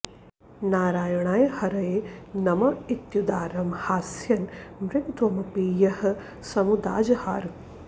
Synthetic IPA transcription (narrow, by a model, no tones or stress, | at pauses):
naːɾaːjɐɳaːjɐhɐɾɐjeːnɐmɐit̪jud̪aːɾɐmhaːsjɐnmɾɪkt̪wɐmɐpiːjɐhɐ̆ | sɐmud̪a̰ːd͡ʒɐha̰ːɾ